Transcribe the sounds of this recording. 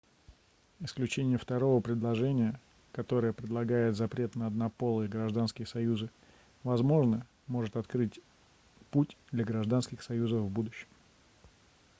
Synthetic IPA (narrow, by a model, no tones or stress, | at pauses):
ɪsklʲʉt͡ɕenʲɪjəft̪ɐɾo̞vəpɾʲɪd̪lˠɐʐɛnʲɪjə | kɐt̪o̞ɾəjəpɾʲɪd̪lˠɐɡajɪt̪zɐpɾʲe̞t̪nəɐd̪nɐpo̞lˠɨəɡɾɐʐd̪anskʲɪjəsɐjuzɨ | vɐzmo̞ʐnə | mo̞ʐɨt̪ɐt̪kɾɨtʲ | putʲd̪lʲɐɡɾɐʐd̪anskʲɪxsɐjuzəfvbud̪ʊɕːɪ̥m